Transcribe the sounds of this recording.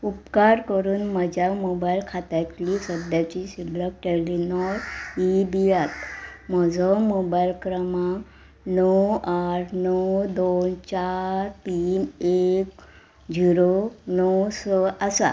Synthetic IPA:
upkaɾkəɾuːnməd͡ʑʱamobailkʰat̪aklisəd̪jat͡ɕisidlək̚ʈɛlinɔɾibijat̪mɔd͡zʱɔmɔbailkɾəma | nɔaɾʰnɔwd̪ont͡ɕaɾpimek | d͡ʑiɾonɔwsɔasa̰

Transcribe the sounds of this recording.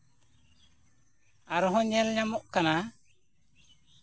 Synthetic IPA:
aɾɔɦɔ̃ɲɛlɲamɔʔkana

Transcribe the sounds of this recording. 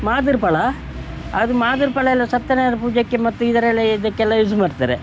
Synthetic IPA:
maːd̪iɾpɐɭɐ | ɐd̪umaːd̪iɾpɐɭɐɛlːɐsɐt̪ːɐneɾɐpuːd͡ʒɐkːemɐt̪ːuid̪ɐɾɛlːɐid̪ɐkːeɛlːajus̬umaːɽit̪a̰ːɾe

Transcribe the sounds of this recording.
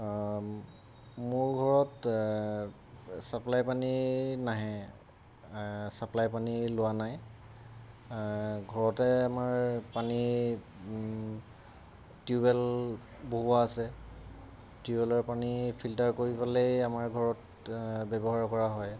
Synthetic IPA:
mʊɹɡʱɔɹɔt | saplajpaninaɦɛ̃ | saplajpanilʊwanaj | ɡʱɔɹɔtɛamaɹpani | tiubɛl | boɦuaːsɛ | tiubɛlɔɹpanipʰiltaɹkoɹipalejamaɹɡʱɔɹɔt | bɛbɔɦaɹkɔɹaɦɔj

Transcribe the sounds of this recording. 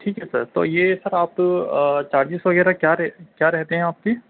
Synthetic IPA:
ʈʰiːkɦɛsɐɾt̪o̰ːjeːsɐɾaːpt͡ʃaːɾd͡ʒɪsʋɐɡɛːɾakjaːɾɛkjaːɾɛɦt̪eɦɛ̃aːp̚ki

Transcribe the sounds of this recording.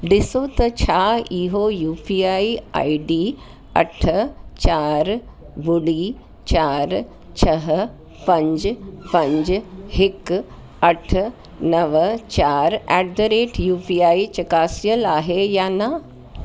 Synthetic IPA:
ɖɪsot̪ɐt͡ɕʰaiɦojuːpiaːia̰ːiɖiː | ɐ̰ʈʰt͡ɕaːɾ | bʊɽiː | t͡ɕaːɾ | t͡ɕʰɐɦ | pɐ̃ɲd͡ʑpɐ̃ɲd͡ʑɦɪk | ɐʈʰ | nɐʋt͡ɕaːɾɛɖɖ̪əɾeːʈjuːpiaːit͡ɕɐkaːsijəlaːɦejaːnɐ

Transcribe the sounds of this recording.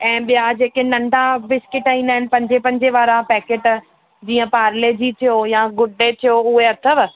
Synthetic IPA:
ɛ̃ːɓijad͡ʑeːkenɐ̃ɳɖʱabɪskɪʈaĩːnd̪aːɦɪnɪ̆pɐ̃ɲd͡ʑepɐ̃ɲd͡ʑeʋaːɾapɛːkeːʈ | d͡ʑiːə̃paːɾled͡ʑit̪ʰijojaɡʊɖet̪ʰijoʊɦeɐt̪ʰəʋ̆

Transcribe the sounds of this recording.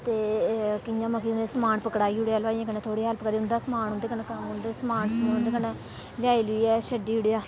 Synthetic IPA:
t̪eːkɪɲãːməkiːnd̪esəmaːɳpəkɽaːiːʊɽejaːlʋaːiãːkənẽːt̪ʰoːɽiːɦaːlpəkəɾiːʊnd̪aːsəmaːnɦʊnd̪eːkənekamʊnd̪esəmaːnsnd̪ekəne | d͡ʒaːiːlʊiːɛːʃəɖiːʊɽejaː

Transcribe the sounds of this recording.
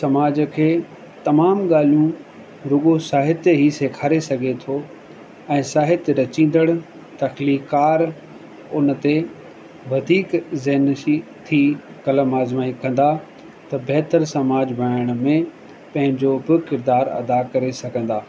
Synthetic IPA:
sɐmaːd͡ʑəkʰeː | t̪ɐmaːmɠaːl̤ijũ | ɾʊɠosaːɦɪt̪ɦiseːkʰaːɾesɐɡʱet̪ʰo | ɛ̃ːsaːɦɪt̪ɾɐt͡ɕĩːn̆d̪əɽ̃ | t̪ɐxliːkaːɾ | ʊnt̪e | ʋɐd̪ʱiːkzeɦnʃit̪ʰi | kɐləmaːzmaːikɐ̃n̆d̪a | t̪ɐbɛɦt̪əɾsɐmaːd͡ʑbʱɐaːəɽ̃mẽ | pɐ̃ɦɪ̃ɲd͡ʑobɪkɪɾd̪aːɾɐ̰d̪akɐɾesɐɡʱə̃n̆d̪aː

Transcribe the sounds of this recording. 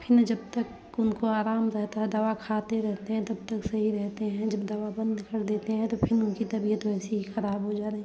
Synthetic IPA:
pʰɪnd͡ʒɐb̚t̪ɐk | ʊnkoaːɾaːmɾɛɦt̪aɦɛd̪ɐʋakʰaːt̪eɾɛɦt̪eɦɛ̃t̪ɐb̚t̪ɐksɐɦiɾɛɦt̪eɦɛ̃d͡ʒɐbd̪ɐʋabɐ̃nd̪kɐɾd̪eːt̪eɦɛ̃t̪opʰɪnʊnkit̪ɐbiːət̪oɛːseɦixɐɾaːbɦod͡ʒaːɾeɛ̃ː

